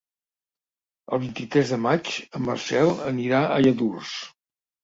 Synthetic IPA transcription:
əlˠβint̪it̪ɾɛzðəmat͡ʃəmə̰rsɛlˠəniɾaʔəjəðurs

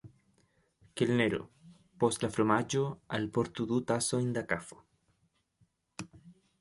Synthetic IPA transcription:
kelneɾo̰ | poslafɾomad͡ʒoalpoɾt̪uðut̪asoind̪akafo̥

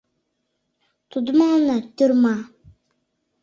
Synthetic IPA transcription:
t̪ud̪umaŋnat̪ørma

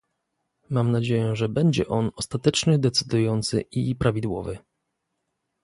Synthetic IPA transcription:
mamnad͡ʑejɛʐɛbɛɲd͡ʑɛ̰ʔɔnɔst̪at̪ɛt͡ʂnɘd̪ɛt̪sɘd̪ujɔnt̪sɘ̰ʔipɾavʲid̪wɔ̰vɘ̰

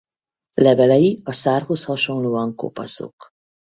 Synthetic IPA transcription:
lɛvɛlɛjiɒsaːrho̞shɒʃo̞nloːɒŋko̰pɒ̰zo̰k

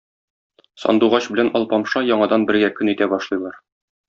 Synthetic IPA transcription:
sɒ̰nd̪uʁɑɕbɘ̆lænɒlˠpɒmʃɑjɒɴɑd̪ɑnbɘ̆ɾɡækɵnit̪æbɒʃlˠɤ̆jlˠɑɾ

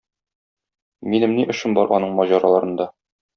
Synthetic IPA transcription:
minɘmniʔɵ̆ʃɘ̆nbɒɾʔɒnɤɴmɒʑɑɾɑlˠɑɾɤ̆nd̪ɑ

